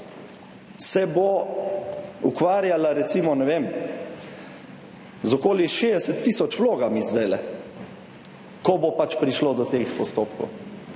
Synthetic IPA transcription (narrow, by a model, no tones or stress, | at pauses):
sɛbo | ukʋaːɾjalaɾɛt̪siːmɔnɛʋem | zɔkoːliʃed̪ɛsɛt̪ːisɔt͡ʃʋloːɡamizd̪ɛlɛ | kɔbopat͡ʃpɾiʃlod̪ɔt̪eːxpɔst̪oːpkɔ̰w